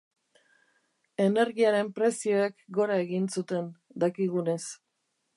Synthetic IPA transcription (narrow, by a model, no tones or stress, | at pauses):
e̞ne̞ɾɣiaɾe̞mpɾe̞sio̞ekɡo̞ɾae̞ɣinsut̪e̞nd̪akiɣune̞s